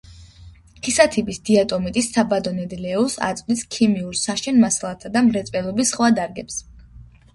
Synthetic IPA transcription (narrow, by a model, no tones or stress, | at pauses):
kʰisat̪ʰibisd̪̥iat̪ʼɔmit̪ʼisabad̪ɔnɛd̪ilɛɔsa̰t̪sʼvd̪iskʰimiuɾsaʃɛnmasalˠat̪ʰad̪amɾɛt̪sʼpʼɛlˠɔbisχwad̪aɾɡɛps